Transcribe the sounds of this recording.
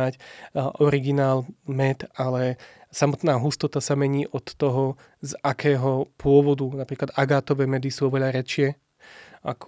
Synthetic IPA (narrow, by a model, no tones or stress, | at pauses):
acʔɔɾiɡinaːlmɛt̪alɛsamɔt̪naːɦust̪ɔt̪asamɛɲiːʔɔt̪ːɔɦɔ | zakʰɛːɦɔpʊɔʋɔd̪unapɾiːklad̪ʔaɡaːt̪ɔʋɛːmɛd̪isuːɔʋɛʎaɾɛt͡ʃɪɛ | ʔa̰k